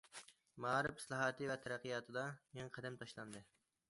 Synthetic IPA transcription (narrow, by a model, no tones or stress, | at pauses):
mɑɑɾɪfɪ̥slˠɑɦɑːt̪ʰɨvɛt̪ʰɛɾæqːijɑːt̪ʰɨd̪ɑjeŋqʰɛd̪ɛmt̪ʰɑʃlˠɑnd̪ɨ